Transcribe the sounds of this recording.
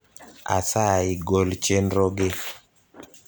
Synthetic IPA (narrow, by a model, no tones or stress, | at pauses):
a̰saiɡolt͡ʃendɾɔɡɪ